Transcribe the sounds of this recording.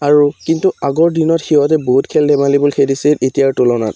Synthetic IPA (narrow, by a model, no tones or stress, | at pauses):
aɹukintuaɡɔɹdinɔtxiɦɔtɛboɦutkʰɛldɛmalibulxedisietijaɹtulɔna̰t